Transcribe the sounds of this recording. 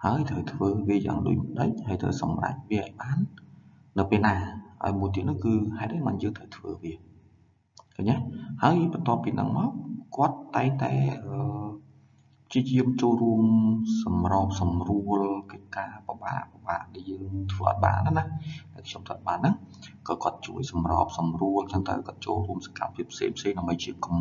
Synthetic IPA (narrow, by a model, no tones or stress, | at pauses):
haəjt̪ʰəwt̪ʰʋəːʋiəja̰ːŋɗṵːc̚məɗə̰c̚haəjt̪ʰə̰wsɑmra̰c̚ʋiəʔaɔjɓaːnː | ɨwpeːlnaːʔa̰ɔjmuəjt̪̬iət̪̚nuhkɨːhaɛt̪̚ʔɨmanjəːŋt̪ʰəwt̪ʰʋəːʋiə | kʰaɲahaəjɓɑnt̪ŏəpːiːnɨ̰ŋmaɔkŏət̪ːaɛŋt̪a̰ɛʔəː | pʰt͡ɕiəjiəmt͡ɕoːlruəmsɑmrɑːp̚sɑmruəlkəc̚kaːpə̆ɓa̰ːʔpəɓaːʔɗaɛljəːŋt̪ʰʋəːʔɑ̰t̪̚ɓa̰ːʔnanahɗaɛlkʰɲomt̪ʰət̪̚ɓaːnːɨŋ | kɑːkŏət̪̚t͡ɕuəjsɑmrɑ̰ːp̚sɑmruəlsəŋt̪a̰ɛkŏət̪̚t͡ɕo̰ːlruəmsḁka̰mpʰiəpʰːsḛːŋpʰseːŋɗaəmɓəjt͡ɕiəkm